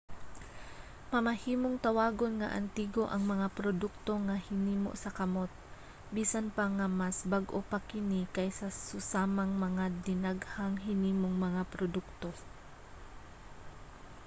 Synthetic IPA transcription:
mɐmɐhiːmoŋt̪ɐwaːɡonŋɐ̰ʔɐ̰nt̪iːɡo̞ʔɐŋmɐŋapɾod̪ʊk̚t̪o̞ŋahɪniːmo̰ʔsɐkɐmo̞t̪̚ | biːsanpaŋɐmasbaɡʔopakɪnikɐjsɐsʊsaːmaŋmɐŋad̪ɪnaɡhaŋɦɪniːmoŋmɐŋapɾod̪ʊk̚t̪o̞

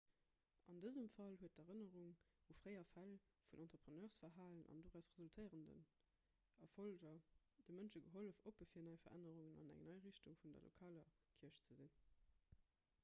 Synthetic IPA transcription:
ʔɑndəzəmfɑlhuət̚dɛʁənəʁuŋufʁəɪɐfæl | funʔɑntʁəpʁənœːʁsfɐɦaːlənɑ̰ndoːʁæʊsʁezultʰəɪʁəndə̰n | ɐfolʒɐ | d̥əmənʃəɡəɦoləfopəfiːɐnɑɪfɐ̰ʁʔæ̰nəʁuŋənɑ̰næ̰ŋnɑɪʁiɕtuŋfundɐ̰lo̰kʰaːlɐ | kʰiɐʃt͡səzin

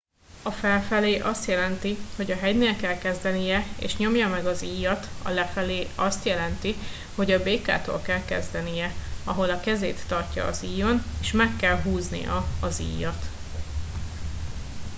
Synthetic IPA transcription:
ɒfɛlfɛleːʔɒst̪jɛlɛnt̪iho̞ɟɒɦɛɟneːlkɛlkɛzd̪ɛnijɛḛːʃɲo̞mjɒmɛɡɒziːjɒt̪ɒ̰lɛfɛleːɒst̪jɛlɛnt̪i | ho̞ɟɒbeːka̰ːt̪o̰ːlkɛlkɛzd̪ɛnijɛɒɦo̞lɒkɛzḛːt̪ːɒrcɒ̰ːziːjo̞neːʃmɛkːɛlɦuːznḭjɒ̰ɒzḭːjɒt̪

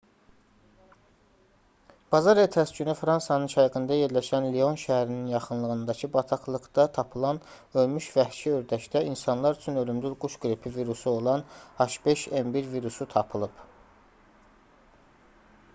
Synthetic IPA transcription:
b̥ɑzɑɾet̪ʰæsd͡ʒynyfɾɑnsɑnɯnʃʰɑjɡɯnd̪ɑje̞ɾlæʃænlio̞nʃæhæɾininjɑχɯnlˠɯɣɯnd̪ɑcʰɯbɑt̪ʰɑklˠɯɡd̪ɑt̪ʰɑpʰɯlˠɑn | ø̞lmyʃvæhʃiø̞ɾd̪æʃd̪æʔinsɑnlˠɑɾyt͡ʃʰynø̞lymd̪yɾɡuʃɡɾipʰiviɾusuo̞lˠɑnhɑʃbe̞ʃembiɾviɾusut̪ʰɑpʰɯlˠɯb

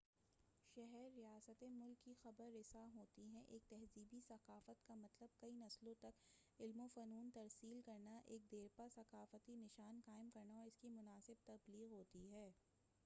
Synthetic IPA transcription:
ʃɛɦɛɾːijaːsət̪emʊlkːixɐbəɾːɪsaɦoːt̪iɦɛ̃ʔeːk̚t̪ɛɦziːbisɐqaːfət̪kamɐt̪ləb̚kɐinɐslõt̪ɐk | ɪlmofɐnuːnt̪ɐɾsiːlkɐɾnaʔeːk̚d̪eːɾpasɐqaːfət̪inɪʃaːnkaːɪmkɐɾnaɔːɾɪskimʊnaːsɪb̚t̪ɐbliːɣɦoːt̪iɦɛː

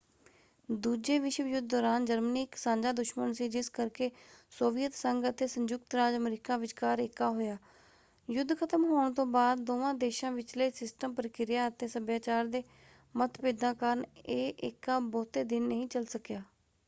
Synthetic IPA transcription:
d̪uːd͡ʒeːʋɪʃjʊd̪̚ʱd̪ɔːɾaːnd͡ʒəɾməniːkɪ̥sãːɲd͡ʒaːd̪ʊʃmənsiːd͡ʒɪskəɾkeːsoːʋɪjət̪səŋɡət̪eːsəɲd͡ʒʊk̚t̪ɾaːd͡ʒəmɾiːkãːʋɪt͡ʃkaːɾɪkːaːɦoːjaː | jʊd̪ːkʰət̪əmɦoːɳt̪õːbaːd̪ːoːʋãːd̪eːʃãːʋɪt͡ʃləiːsɪsʈəmpəɾəkɪɾɪjaːət̪eːsəbjaːt͡ʃaːɾd̪eː | mət̪ʰpeːd̪ãːkəɾneːʔɪkːaːbɔːt̪eːd̪ɪnːəɦĩːt͡ʃəlsəkjaː

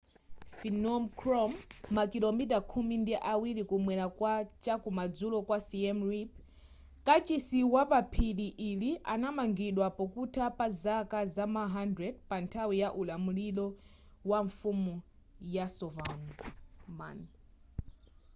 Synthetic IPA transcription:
finɔmkʰɾɔmːakilɔmitakʰumindiʔawilikumwɛɾakwat͡ʃakumad͡zulɔkwasiɛmɹip̚ | kat͡ʃisiwapapʰiɗiʔiliʔa̰namaŋɡiɗwapɔkutʰapazakazamaɦandɾɛd̚pantʰawijaʔulamulilɔ | waɱfumu | jasɔvanɔma̰n

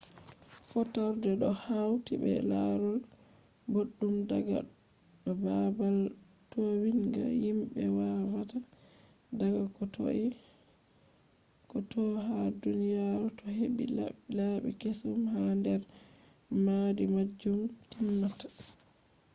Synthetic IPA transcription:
fɔtaɾdɛɗɔhawtibɛ̰la̰ɾɔl | boɗːumdaɡa̰ | ɗɔbabal | towiŋɡa̰jimɓɛwavata | daɡakɔtɔ̰ʔi | kɔtɔɦadunijaɾutɔɦeɓḭlaɓḭkesumhandɛɾ | madimad͡ʒːumtimːatḁ

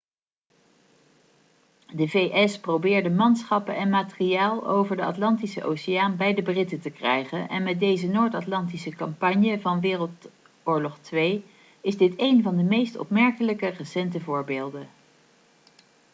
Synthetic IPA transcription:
dəvejʔɛsprowbɪːɹdəmɑnsχɑpənɛnmaːtəriaːlˠo̰wvəɹdəɑtlɑntisə̰ʔo̰wsɪjaːnbɛjdəbrɪtətəkrɛjχənʔɛ̰nmɛt̚dejzənoːɹtɑtlɑntisəkɑmpɑɲjəvɑnʋɪːrəlˠt | ʊːɹlɔχtʋej | ɪzdɪtejnvɑndəmejstɔ̰pmɛɹkələkərəsɛntəvʊːɹbeːlˠdə

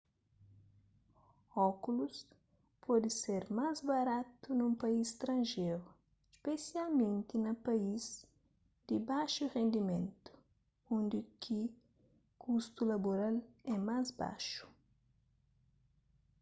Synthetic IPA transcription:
ɔkulus | pʰɔd̪iseɾmazbɐɾat̪unũmpɐist̪ɾɐ̃nʒeɾu | spesialmẽnt̪inɐpɐiz | d̪̥ibaʃuʁẽnd̪imẽnt̪u̥ | õnd̪ikʰi | kʰust̪ulɐboɾalɛmazba̰ʃu̥

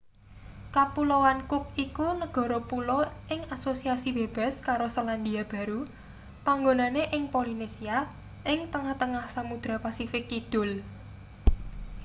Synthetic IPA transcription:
kapulowankʊk̚ikunəɡ̥ɔ̤ɾopulɔʔɪŋasosiasib̥e̤b̥a̤skaɾosaland̪iab̥ä̤ɾu | paŋɡonaneʔɪŋpolinesia | ʔɪŋt̪əŋaht̪əŋahsamud̪̥ɾa̤pasifɪkid̪̥ʊ̤l

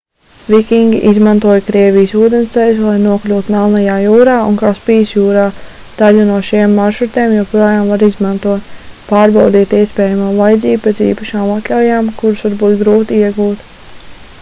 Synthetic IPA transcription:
vʲikʲiŋɡʲiʔizmãnt̪uɔjkɾiɛvijsuːd̪ensɛjslˠajnuɔklʲuːt̪unalˠnajaːjuːɾaːunkaːspiːsjuːɾaː | d̪̥aʎunuɔʃimːaɾʃut̪eːmjawpɾɔjaːmvaɾizmant̪uɔt̪paːɾbawd̪iːt̪iɛspʲɛːjamaːvajd̪ziːb̚ped̪zḭːpaʃaːmat̪lʲawjaːmkuɾusʋaɾbuːt̪ɡɾuːt̪iiɛɡuːt̪

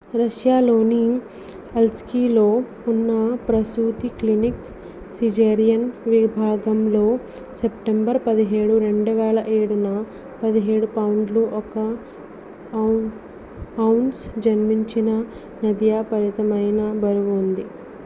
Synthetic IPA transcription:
ɾɐʃjaːlo̞ːni | elskiːlo̞ː | unːɐpɾɐsuːt̪iklinik | sid͡ʒeːɾijɐnʋibʱaːɡɐmlo̞ː | sepʈembɐɾpɐd̪iɦe̞ːɽuɾe̞ɳɖuʋɛːlɐʔeːɽunɐ | pɐd̪iɦe̞ːɽupɐwɳɖluʔɔkɐ | ɐwɳɖsd͡ʒɐnmiɲt͡ʃinɐ | nɐd̪jaːpɐɾit̪ɐmɐjnɐbɐɾuɡund̪i

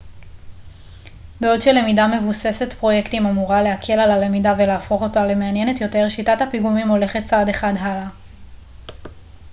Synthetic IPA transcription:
beo̞dʃele̞midame̞vusese̞tpʁo̞je̞ktimamuʁale̞hakʰe̞lalale̞midave̞leːfo̞χo̞tale̞me̞anje̞ne̞tjo̞te̞ʁʃitathapiɡumimo̞le̞χe̞t̚t͡sade̞χadɦala

